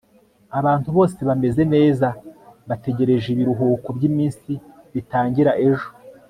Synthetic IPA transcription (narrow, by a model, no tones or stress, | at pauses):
aβaːntuβo̞ːse̞βame̞ze̞ne̞ːzaβate̞ɟe̞ɾe̞ʒiβiɾuɦuːkobɟiːmiːnsi | βitaːɲɟiɾaʔe̞ʒo̥